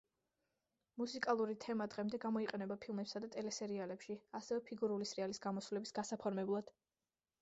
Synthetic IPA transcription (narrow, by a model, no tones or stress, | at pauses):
musikʼalˠuɾit̪ʰɛmad̪ʁɛmd̪ɛɡamɔiqʼɛnɛbapʰilˠmɛpsad̪at̪ʼɛlɛsɛɾialɛpʃiasɛvɛpʰiɡuɾulisɾialisɡamɔsulɛbisɡasapʰɔɾmɛblˠad̪̥